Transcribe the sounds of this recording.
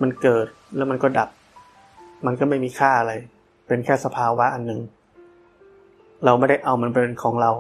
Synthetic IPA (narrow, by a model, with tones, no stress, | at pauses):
ma˧nkɤː˨˩t̪̚lɛ˦˥wma˧nkɔː˥˩da˨˩p̚ | ma˧nkɔː˥˩ma˥˩jmiː˧kʰaː˥˩ʔa˧ɾa˧j | pe˧nkʰɛː˥˩sa˧pʰaː˧wa˦˥ʔa˧nːɯ˨˩ŋ | ɾa˧wma˥˩da˥˩jʔa˧wma˧˥npɾa˧de˧nkʰɔː˩˦ŋɾa˧w